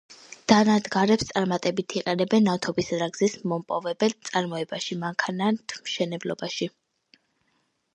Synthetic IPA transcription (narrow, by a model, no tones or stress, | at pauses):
d̪̥anad̪ɡaɾɛpst̪sʼaɾmat̪ʼɛbit̪ʰiqʼɛnɛbɛnːat̪ʰɔbisɾaɡzismɔmpʼɔvɛbɛlsʼaɾmɔɛbaʃimaŋkʰanat̪ʰmʃɛnɛblɔbaʃi